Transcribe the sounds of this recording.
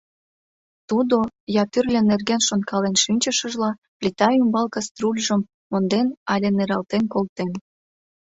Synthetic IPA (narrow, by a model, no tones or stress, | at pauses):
t̪ud̪ojɑt̪yrlʲenerɣenʃonkʰɑlenʃinʲt͡ɕəʃəʒlɑ | plʲit̪ɑjymbɑlkɑst̪rulʲʒəmːond̪enɑlʲeneɾɑlt̪enkolt̪en